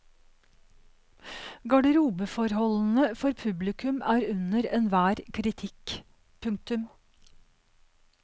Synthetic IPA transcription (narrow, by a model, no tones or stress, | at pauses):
ɡɑɖəɾuːbəfɔɾhɔln̩əfɔɾpʰʉblɪkʰʉmʔæːɾʉnəɾeːnʋæːɾkʰɾɪt̪ʰɪk | pʰʉŋk̚t̪ʉm